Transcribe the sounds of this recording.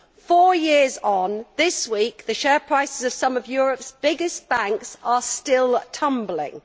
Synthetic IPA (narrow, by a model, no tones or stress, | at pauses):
fɔːjɪəzn̩ðɪswiˑk̚ðəʃɛːpʰɹ̥aɪsɪzəv̥sʌ̃məvjɔːɹəpsb̥ɪɡɪsb̥ãŋksəstɪlˠtʰʌ̃mblɪ̰̃ŋ